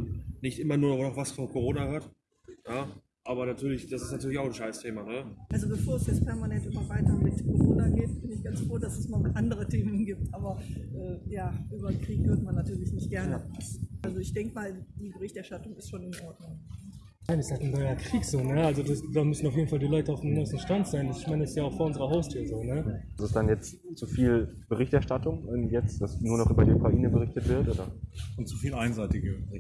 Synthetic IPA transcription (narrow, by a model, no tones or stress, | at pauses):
nɪçtʔɪmɐnuːɐnɔvnɔχv̥asfɔnkoʁoːnaʁaːt | jaː | ʔaːbɐnatʰyːɐlɪçd̥asɪstnatʰyːɐlɪçaʊxn̩ʃaɪstʰeːmanəʔalzobəfoːɐɛsjɛt͡spʰɛɐmanɛntʔɪmɐvaɪtɐblɪtkʰoʁoːnaɡeːtb̥ɪnɪçɡ̥ant͡sfʁ̥oːdasɛsmamalʔandəʁətʰeːmənɡiːp̚tʔaːbɐʔɛːjaːʔyːbɐkʁ̥iːkhøɐtmanːatʰyːɐlɪçnɪçt̚ɡ̥ɛɐnəsʔalzoɪçd̥ɛŋkəmaːld̥iːbəʁɪçtɛɐʃtatʊŋɪstʃoːnɪnʔɔɐdnʊŋ | naːnɪsthatn̩nɔʏɐkʁ̥iːkz̥oːnəalzodasd̥aːmʏsn̩aʊfjeːdn̩faldiːlɔʏtəaʊfdemɡʁoːsn̩ʃtantz̥aɪndasɪçmaɪnəɪsjaːaʊxfoːɐʊnzəʁɐɦaʊstʰyːɐzoːnəsɛsd̥anjɛt͡st | t͡sufiːl | b̥əʁɪçtɛɐʃtatʊŋʔɛmjɛt͡sd̥asnuːɐnɔχʔyːbɐdiːukʁ̥aʔiːnəbəʁɪçtətv̥ɪɐtʔoːdɐʊntt͡sufiːlʔaɪnzaɪtɪɡə